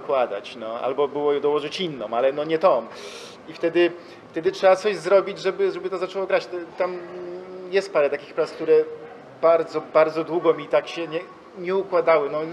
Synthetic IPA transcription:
kwad̪a̰t͡ɕnɔa̰lbɔbɘwɔjɛd̪ɔwɔʐɘt͡ɕinːɔ̃malɛnɔɲɛt̪ɔm | ift̪ɛd̪ɘ | ft̪ɛd̪ɘtʂɛbat̪sɔʑzɾɔbʲid͡ʑʐɛbɘʐɛbɘt̪ɔzat͡ʂɛwɔɡɾat͡ɕt̪t̪am | jɛst̪paɾɛt̪akʲi̥xpɾask̚t̪uɾɛ | baɾd̪zɔbaɾd̪zɔd̪wuɡɔmʲit̪akɕɛɲɛ | ɲɛukwad̪awɘnɔ

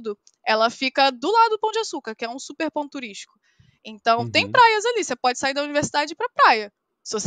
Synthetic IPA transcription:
d̪ʊ | ɛlɐfikɐd̪ʊlad̪ʊd̪ʊpɐ̃w̃d͡ʒɪasukɐɾkɪɛũsupeɾpɐ̃t̪uɾiʃt͡ʃi̥kʊ̥ | ẽnt̪ɐ̃w̃t̪ẽj̃pɾajɐzalisepɔd͡ʒɪ̥saiɾd̪ɐuniveɾsid̪ad͡ʒɪpɾɐpɾajɐ | sɪvos

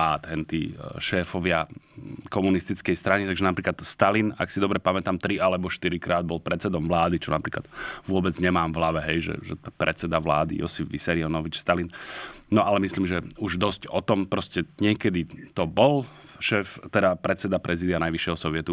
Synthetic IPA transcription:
aːd̪ɦɛnt̪iʃɛːfɔʋɪakɔmunist̪it͡skɛjst̪ɾaɲit̪aɡʒɛnapɾiːklat̪st̪alina̰ksid̪ɔbɾɛpamɛt̪aːmt̪ɾialɛbɔʃt̪iɾikɾaːd̪̚bɔlpɾɛt̪t͡sɛd̪ɔmʋlaːd̪it͡ʃɔnapɾiːkla̰d̪ʋʊɔbɛd͡zɲɛmaːmʋlaʋɛɦɛjʒɛ̰ʒɛ̰pɾɛt͡sɛd̪aʋla̰ːd̪ḭjɔ̰sifʋisɛɾiɔnɔʋit͡ʃst̪alinnɔʔalɛmisliːmʒɛuʒd̪ɔscɔt̪ɔmpɾɔscɛɲɪɛkɛd̪it̪ɔbɔl | ʃɛːft̪ɛd̪apɾɛt͡sɛd̪apɾɛziːd̪ianajʋiʃjɛɦɔsɔʋɪɛt̪u

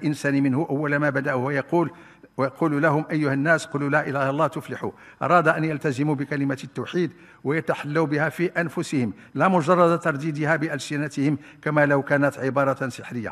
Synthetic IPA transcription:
ʔɪnsænmɪnhʊʔawːælmabæd̪æʔhwjɑqul | jɑquːllæɦʊmʔæjːʊhanːæsqʊlulæːʔɪlæhɑlˤːɑːht̪ʊflɪħṵ | ʔɑ̰ɾˤɑːd̪ʔænjalt̪æzɪmubɪkælɪmat̪ːawħiːd̪ | wajat̪aħalːawbɪhæfiʔænfʊsɪhɪm | læmʊʒɑrˤːɑd̪t̪ɑɾˤd̪iːd̪ɪhæbɪʔælsɪnat̪ɪhɪm | kæmæləwkæːnæt̪ʕɪbɑɾˤɑnsɪħɾəjːa̰

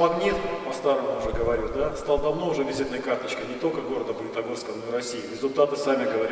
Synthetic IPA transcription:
ɐɡnʲit̪pɐst̪aɾəmʊʊʐɛɡəvɐɾʲud̪ast̪alˠd̪ɐvno̞ʊʐɛvʲɪzʲit̪nəjəkart̪ət͡ɕkənʲɪt̪o̞lʲkəɡo̞ɾəd̪əpəlʲɪt̪ɐɡoskəvəno̞ɪɾɐsʲiɪɾʲɪzʊlʲt̪at̪ɨsamʲɪɡəvɐɾʲ

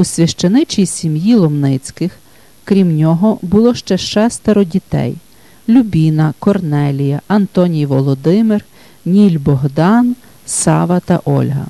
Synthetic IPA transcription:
usʲʋʲɐʃt͡ʃɐnɪt͡ʃijsʲimjilˠɔmnɪt͡sʲkɪx | kɾʲimnʲɔɦɔbʊlˠɔʃt͡ʃɛʃt͡ʃɛst̪ɐɾɔdʲit̪ɛ̰j | lʲubʲinɐkɔrnɛlʲijɐʔɐnt̪ɔnʲijʋɔlˠɔd̪ɪmɪr | nʲilʲbɔɦd̪ɑn | sɑʋɐt̪ɐ̰ʔɔ̰lʲɦɐ̰

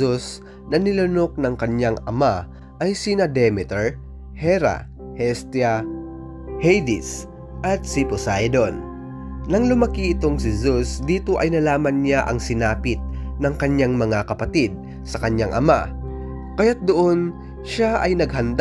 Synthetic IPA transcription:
us | nɐnɪlʊno̞k̚nɐŋkɐɲjaŋɐma | ʔɐjsinɐd̪ɛmɪt̪ɛɹ | hɛɾa̰ | hɛst̪ɪjɐ | hɛjd̪ɪs | ʔɐt̪̚sipʊsajd̪onː | ɐŋlʊmɐkiʔɪt̪o̞ŋsɪzusd̪iːt̪o̞ʔɐjnɐlaːmɐnɲaʔɐŋsɪnaːpɪt̪̚nɐŋkɐɲaŋmɐŋakɐpɐt̪id̪̚ | sɐkɐɲjaŋʔɐ̰ma | kɐjat̪̚d̪oʔo̞n | ʃaʔɐjnɐɡɦɐnd̪

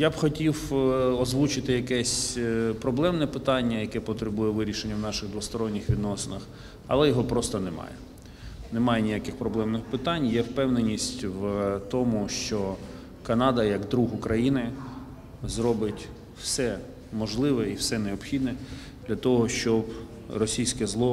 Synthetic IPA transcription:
jabxɔtʲiwɔzʋut͡ʃɪt̪ɪjɐkɛsʲpɾɔblˠɛmnɛpɪt̪ɑnʲːɐjɐkɛpɔt̪ɾɪbujɛʋɪɾʲiʃenʲːɐwnɑʃɪɣd̪ʋɔst̪ɔɾɔnʲːɪxʋʲid̪nɔsenɐx | ɐ̰lˠɛjɔɦɔpɾɔst̪ɐnɛmɑ̰jɛ̰ | nɛmɑjɛnʲijakɪxpɾɔblˠɛmnɪxpɪt̪ɑnʲjɛwpɛwnenʲːisʲtʲwt̪ɔmuʃt͡ʃɔ | kɐnɑd̪ɐjɐɡd̪ɾuɦʊkɾɐjinɪ | zɾɔbɪtʲ | w̥sɛ | mɔʒlˠɪʋɛiwsɛneɔpxʲid̪̚nɛ | d̪lʲɐt̪ɔɦɔʃt͡ʃɔb | rɔsʲijsʲkɛzlˠɔ

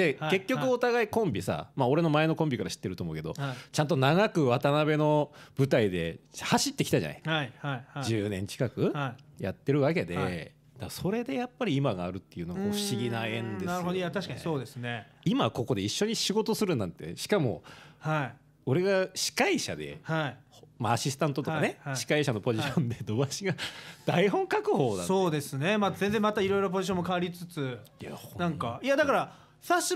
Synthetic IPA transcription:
d̪̥eke̞kʲːo̞kɯ̟o̞t̪aɡaikõ̞mbʲisa̰mao̞ɾe̞no̞mae̞no̞kõ̞mbʲikaɾaɕi̥t̪ːeɾɯt̪omo̞ɯ̟ke̞d̪o̞̰t͡ɕãnt̪̬o̞naɡakɯ̟βat̪anabe̞no̞b̥ɯ̟t̪aid̪e̞haɕit̪ːe̞kʲi̥t̪aʑa̰na̰jaaiʑɨːnẽ̞ɲ̟t͡ɕi̥kakɯ̟ja̰t̪ːe̞ɾɯ̟βake̞d̪e̞ | d̪̥aso̞ɾe̞d̪e̞japːaɾʲiːmaɡaːɾɯ̟t̪ːe̞jɯ̟ːnoɡaoɸɯ̟̥ɕiɡʲinaẽ̞nd̪enst̪akasoːd̪esɨneimako̞ko̞d̪e̞iɕːo̞ɲ̟iɕiɡo̞t̪o̞sɨɾɯ̟nãnt̪e̞ɕi̥kamo̞̰hai | o̞ɾe̞ɡaɕi̥kaiɕa̰d̪e̞̰haihomaːɕisɨ̥t̪ãnt̪o̞t̪o̞kanehaɕi̥kaiɕano̞po̞ʑiɕõnd̪e̞d̪o̞baɕiɡad̪̥aiɦõ̞ŋkakɯ̟ɦo̞ːd̪aso̞ːd̪e̞sɨne̞mazẽnd͡zẽ̞mat̪aiɾo̞jɾo̞p̬o̞ʑiɕ̬õmːokaaɾʲit͡sɨt͡sɨjahõnãŋkaiad̪akaɾa | saɕi

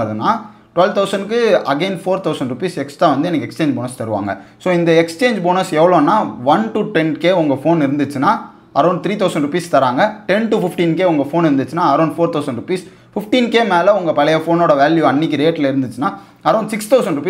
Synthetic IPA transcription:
ɐðɯnːaː | ʈʊʋɛlʋt̪ʰɐʊsɐɳɖkːɯɐɡeːnfoːɾt̪ɐʊsɐɳɖɾʊpiːsɛksʈaːʋɐnd̪ɯɛnɐkːɐɛkst͡ʃeːɲd͡ʒboːnɐst̪ɐɾɯʋa̰ːŋɡɐ̰soːɪnd̪ɐɛkst͡ʃeːɲd͡ʒboːnɐɾsɛʋːɐɭõnːaːʋɐnʈuʈɛnkeːʊŋɡɐfoːnɪɾɯnd̪ɯt͡ʃːɯnaː | ɐɾɐʊ̃ɳɖt̪ɪɾiːt̪ɐʊsɐɳɖɾʊpiːst̪ɐɾaːŋɡɐʈɛnʈʊfɪfʈiːnkeːʊŋɡɐfoːnɪɾɯnd̪ɯt͡ʃːɯnaːɐɾɐʊɳɖfoːɾt̪ʰɐʊsɐ̃ɳɖɾʊpiːs | fɪfʈiːnkeːmeːlɐʊŋɡɐpɐɭɐjɐfoːnoːɽɐʋaːljuɐnːɪk̬ʲːɪɾeːʈːɪlɐɪɾɯnd̪ɯt͡ʃːɯnaː | ɐɾɐʊɳɖsɪkst̪ɐʊsɐ̃ɳɖɾʊp̬iː

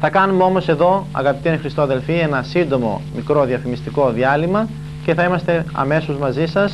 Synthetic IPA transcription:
θɐkɐnumeo̞mose̞ðo̞ɐ̰ɣɐpit̪iɐnixɾist̪oɐðe̞lfie̞nɐsind̪o̞mo̞̰mikɾo̞ðiɐfimist̪iko̞ðiɐlimɐ | ce̞θɐimɐst̪e̞ɐ̰me̞sozmɐzisɐs

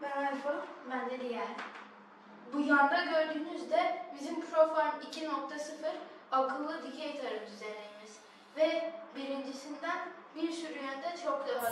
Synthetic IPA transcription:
mɛajfobænd̪ɛd̪ijæɾʲ | bujand̪aɟø̞ɾd̪yːnyzd̪ɛbizimpʰɾofanicʰinok̚t̪ʰasɯfɯɾ | akʰɯlˠːɯd̪icʰejt̪ʰaɾɯd̪yzeɾejmiz̥ | vɛbiɾind͡ʒisind̪ænbiɾsyɾyjɛnd̪ɛt͡ʃʰokd̪aɦa

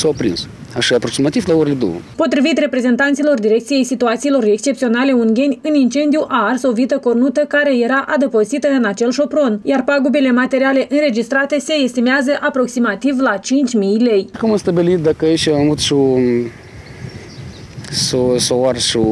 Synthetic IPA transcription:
sawapɾḭns | aʃiapɾoksimat̪ivlaoɾeled̪o̰wə̰po̞t̪ɾivit̪re̞pɾe̞ze̞nt̪ant̪silo̞rd̪iɾe̞kt̪sije̞jsit̪uat̪silo̞re̞kst͡ʃe̞p̚t̪io̞nale̞uŋɡʲe̞nʲɨnint͡ʃe̞nd̪ijuʔaːrsovit̪əko̞rnut̪əkaɾe̞je̞ɾaʔad̪əpozit̪əɨnat͡ʃe̞lʃo̞pɾo̞njarpaɡube̞le̞mat̪e̞ɾiale̞ʔɨnre̞d͡ʒist̪ɾat̪e̞se̞ːst̪imeazəʔapɾo̞ksimat̪ivlat͡ʃint͡ʃʲmijle̞jkumamst̪abilit̪̚d̪akəeʃamavut̪ʃu | sosoarʃu

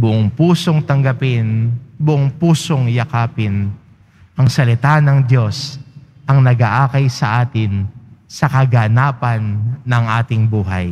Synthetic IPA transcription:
bʊʔoŋpuːso̞ŋt̪ɐŋɡɐpɪnbʊʔoŋpuːso̞ŋjɐkaːpɪn | ʔɐŋsɐlɪt̪anɐŋd̪jo̞s | ʔɐŋnɐɡaʔaːkɐjsɐ̰ʔaːt̪ɪnsɐkɐɡɐnaːpɐnːɐŋʔaːt̪ɪŋbuːɦɐ̰j

